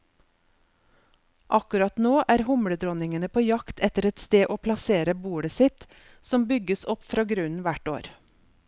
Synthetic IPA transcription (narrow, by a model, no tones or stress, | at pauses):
ʔɑkʉɾɑt̪noːʔæːɾhʊmɽəd̪ɾɔnɪŋənəpʰoːjɑkt̪ʰɛt̪əɾɛt̪st̪eːʔoːpʰlɑseːɾəbuːɽəsɪt̪ | sɔmbʏɡəsɔpfɾɑːɡɾʉnʋæʈo̰ːɾ